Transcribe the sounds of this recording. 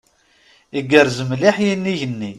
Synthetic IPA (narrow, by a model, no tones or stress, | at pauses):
iɡəɾzəmliħjinːiʝənːi